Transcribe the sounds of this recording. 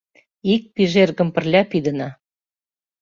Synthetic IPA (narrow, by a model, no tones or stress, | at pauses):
ik̚piʒerɣə̆mpə̆rlʲɑpid̪ə̆nɑ